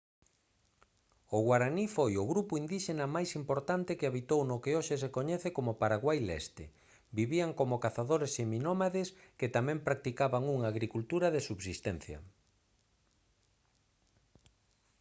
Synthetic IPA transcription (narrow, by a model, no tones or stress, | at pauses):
ʊɣwaɾanifojʊɣɾupʊind̪iʃenɐmajsimpoɾt̪ant̪ɪkɪaβit̪ownokeoʃes̬ekoɲɛθekomopaɾaɣwajlɛ̰st̪ɪ̰ | biβiaŋkomokaθaðoɾeseminomaðesket̪amɛ̃mpɾak̚t̪ikaβaŋuŋaːɣɾikult̪uɾɐðesuβsist̪ɛn̟θjɐ̰